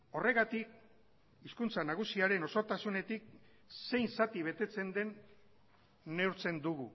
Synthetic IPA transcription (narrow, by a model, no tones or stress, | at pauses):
o̞re̞ɣat̪ik̚ | iskunt͡sanaɣ̞usiaɾe̞no̞soɾt̪asune̞t̪ik̚ | se̞jnsat̪iβ̞e̞t̪e̞t͡se̞nd̪e̞n | e̞uɾt͡se̞nd̪uɣu